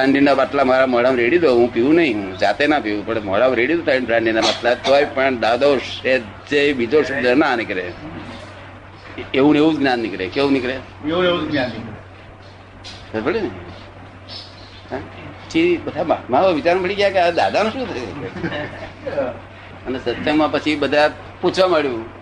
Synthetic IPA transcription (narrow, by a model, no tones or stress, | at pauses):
bɾãɳɖinabaʈlamaɾaməɽamɾeɽid̪oɦũpiʋũnəɦĩɦũd͡ʒat̪enapiʋũpəɽməɽamɾeɽit̪ot̪ʰainbʱɾãɳɖinabaʈlat̪ojpəɳd̪ad̪oʃe | t͡ʃebid͡ʒoʃubd̪ənanikɾe | eũeʋũd͡ʒɡnanːikɾekeũnikɾe | eũeud͡ʒɡnanːikɾe | səbʱəɭine | apət͡ʃʰibəd̪ʱammaaʋaʋit͡ʃaɾbəɽiɡjakead̪ad̪ʱanõʃũːt̪ʰəjke | ənesət̪əmãpət͡ʃʰibəd̪ʱa | put͡ʃʰʋaməɭjũ